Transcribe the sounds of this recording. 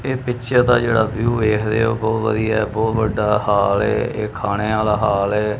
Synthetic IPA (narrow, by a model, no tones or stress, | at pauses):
eːpɪʃʰɛːt̪aːd͡ʒeːɽaːʋjuːeːkʰd̪ḛːoːbɔːt̪ʋə̰d̪ijaɛːbɔːt̪ʋəɖːaːhaːlɛ̰ːeːkʰaːɽ̃eːaːlaːɦaːlɛː